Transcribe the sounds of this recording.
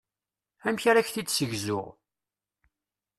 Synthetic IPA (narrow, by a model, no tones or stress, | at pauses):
æmçaɾaçθid̪səʝzʊ̰ʁ